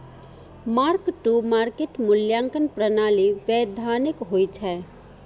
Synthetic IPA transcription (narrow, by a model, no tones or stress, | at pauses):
maɾkʈumaɾkeʈmʊljãŋkənpɾənaliʋjɛd̪ʱanɪkɦojt͡ʃʰɛ